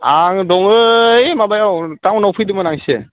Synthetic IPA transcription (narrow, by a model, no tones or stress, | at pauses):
aŋdɔŋɯjmabajawtawnɔwpʰɯjdɯmanaŋsɛ